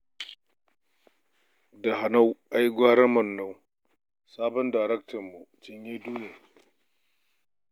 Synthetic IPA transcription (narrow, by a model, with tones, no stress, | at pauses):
da˨ɦa˨na˦wʔa˦jɡʷaː˦ɾɐ˦mɐ˨nːa˦˨w | saː˦bɔ˦nda˨ɾɛ˦k̚tɐ˨rmu˨t͡ʃɪ˨ɲjeː˦duː˦je˨